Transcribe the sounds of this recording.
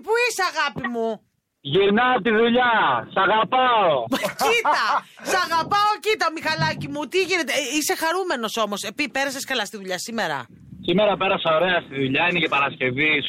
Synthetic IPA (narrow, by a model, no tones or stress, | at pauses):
puiseɐɣɐpimu | ʝiɾnɐt̪iðuʎɐsɐɣɐpɐociɐsɐɣɐpɐocit̪ɐomixɐlɐcimut̪iʝine̞t̪eise̞xɐɾume̞no̞so̞mo̞sepipe̞ɾɐsɐskɐlɐst̪iðuʎɐsime̞ɾɐ̰ | simeɾɐpe̞ɾɐseo̞ɾe̞ɐst̪iðuʎɐinecepɐɾɐsce̞vis